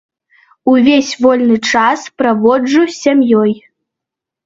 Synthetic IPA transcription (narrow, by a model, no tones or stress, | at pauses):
uvʲesʲvɔlʲnɨt͡ʂaspɾavɔd͡ʐusʲamjɔj